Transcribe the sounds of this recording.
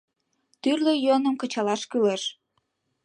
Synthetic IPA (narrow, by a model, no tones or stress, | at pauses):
t̪yrlejonəmkət͡ɕɑlɑʃkyleʃ